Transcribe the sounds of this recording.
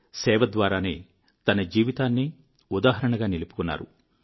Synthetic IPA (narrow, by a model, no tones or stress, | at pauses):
sɛːʋɐd̪ʋaːɾaːnḛː | t̪ɐnɐd͡ʒiːʋit̪aːnːi | ud̪aːɦɐɾɐɳɐɡaːnilupu̥kunːa̰ːɾṵ